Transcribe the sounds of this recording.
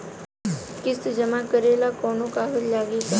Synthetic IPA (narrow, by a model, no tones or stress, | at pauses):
kɪsd͡ʒəmakəɾeːlakɔːnokaːɦəljaːɡika